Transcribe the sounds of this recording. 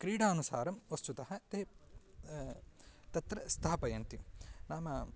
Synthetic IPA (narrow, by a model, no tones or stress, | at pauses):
kɾiːɽaːnusaːɾɐmʋɐst̪ut̪ɐɦɐt̪eː | t̪ɐt̪ɾɐst̪ʰaːɐpɐjɐnt̪inaːmɐ